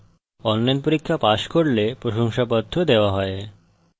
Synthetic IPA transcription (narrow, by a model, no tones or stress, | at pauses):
ɔnːajnpoɾikʰːapaʃkoɾlepɾoʃoŋʃapɔt̪ʰːod̪eoaɦɔe